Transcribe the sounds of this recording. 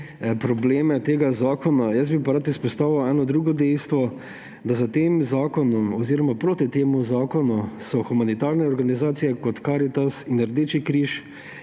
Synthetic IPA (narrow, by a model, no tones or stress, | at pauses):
pɾɔbleːmɛt̪eːɡazaːkɔnajɐsbipaɾat̪ispɔst̪aːʋiwɛːnɔd̪ɾuːɡɔd̪ɛjst̪ʋɔ | d̪azat̪eːmzaːkɔnɔmɔziːɾɔmapɾoːt̪it̪eːmuzaːkɔnusɔxumanit̪aɾnɛɔɾɡanizaːt̪sijɛkɔt̪kaɾit̪asinəɾd̪et͡ʃikɾiʃ